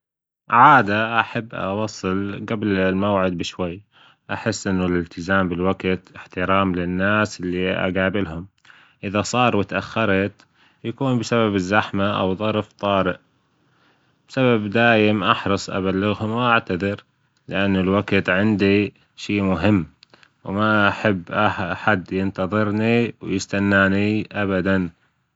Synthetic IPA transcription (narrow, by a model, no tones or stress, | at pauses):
ʕaːd̪aʔaħabːʔɑ̰wɑsˤːɨlɡablɪlmawʕɪd̪̚bɪʃwajː | ʔaħɪsːʔɪnːʊlɪlt̪ɪzaːmbɪlwaɡt̪ɪħt̪ɪɾɑːmlɪnːaːsʔɪlːiʔa̰ɡaːbɪlhʊm | ʔɪðasˤɑːɾˤwɪt̪ʔaxːɑɾˤɑt̪ | jakuːnbɪsaβabɪzːaħmaʔa̰wðˤɑɾˤft̪ˤɑːɾɪʔ | b̥ɪsababd̪aːjɪmʔaħɾɨsˤʔa̰βalːɪɣhʊmwʔaʕt̪aðˤɨɾ | lɪʔanːʊlwaɡt̪ʕɪnd̪i | ʃiːmʊɦɪmː | wmaʔaħɪbːʔaħad̪jɪnt̪ɑðˤɨɾniwjɪst̪anːaːniʔabad̪an